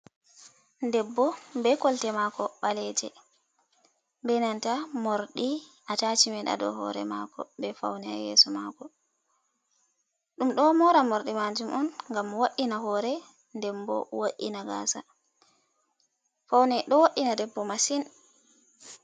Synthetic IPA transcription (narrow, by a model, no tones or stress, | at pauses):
ndɛbːɔbɛkɔltɛmakɔɓalɛd͡ʒɛ | mbɛnantamoɾɗiʔatat͡ʃimɛɗa̰ɗɔ̰ɦɔ̰ɾɛ̰ma̰kɔ̰bɛfa̰wnɛa̰jɛ̰sɔmakɔ | ɗumɗɔmɔɾamoɾɗimad͡ʒumʔɔnŋɡamwaɗːinaɦɔːɾɛ | ndɛmbɔ̰woʔinaɡa̰ːsa | fawnɛɗɔwaɗːinadɛbːɔmasin